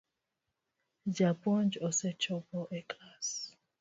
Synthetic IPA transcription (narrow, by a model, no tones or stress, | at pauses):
d͡ʒapʼɔnd͡ʒɔsɛt͡ʃʰʼɔbɔʔɛkʼlas